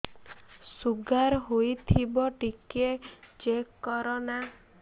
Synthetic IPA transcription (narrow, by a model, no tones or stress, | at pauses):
suɡaɾɦojt̪ʰibɔʈiket͡ʃekːɔɾɔna